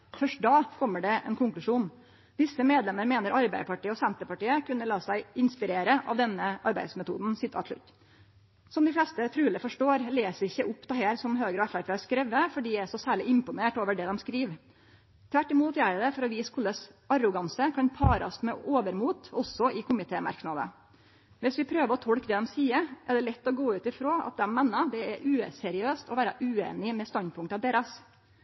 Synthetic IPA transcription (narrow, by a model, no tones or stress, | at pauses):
fœʂʈ̚d̪ɑːkʰɔmːəɖɛʔɛ̰nkʰʊŋklʉʂuːn | d̪ɪsəmeːd̪lɛmːəɾmeːnəɾɑɾbæɪd̪əpɑʈiːəɔsɛnt̪əpɑʈiːəkʉnːəlɑːsæɪɪnspɪɾeːɾəʔɑ̰ʋd̪ɛnːəʔɑɾbæɪd̪smɛt̪ʰṵːd̪n̩sɪt̪ʰːɑ̰ʂɭʉ̰t̪ː | sɔmd̪ɪflɛst̪ət̪ʰɾʉːləfɔʂʈoːɾleːsəɾɪçːəʔʊpːd̪ɛheːɾsɔmɦøːɡɾəɔɛfæɾpʰɛːskɾɛʋːəfɔɖiːæʂɔsæːɭɪɪmpʊneːʈoːʋəɖɛːd̪ɔmskɾiːʋ | t̪ʰʋæʈːɪmuːt̪jæɪd̪ɛfɔɾɔʋiːskʰʊləsɑɾʊɡɑnsəkʰɑnpʰɑːɾɑ̰ɔst̪mɛʔoːʋəɾmuːt̪ɔsːɔʔɪkʰʊmɪt̪ʰeːmɑ̰ɾknɑd̪ə̰ | ʋɪsʋɪpʰɾøːʋəɾɔt̪ʰɔɽkd̪ɛd̪ɛmsiːəɾʔɛɖɛlɛt̪ːɔɡoːʉːt̪ɪfɾoːɑ̰t̪̚d̪ɛmːɛːnːəd̪ɛæɾʔʉːsɛɾɪøːst̪ɔʋæːɾəʔʉːḛːnɪmɛst̪ɑnd̪̚pʰʊŋkt̪ɑʋd̪eːɾɑs